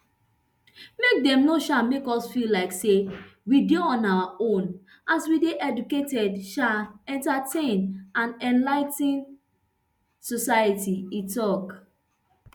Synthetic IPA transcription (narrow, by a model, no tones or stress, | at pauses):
mek̚dɛ̃mnoʃamekɔsfilaɪksewideɔ̃nawaõn | ʔaswideʔɛduketɛdʃaɛ̃ntatʰẽnãnɛ̃nlaɪtĩn | sɔsajətiitɔk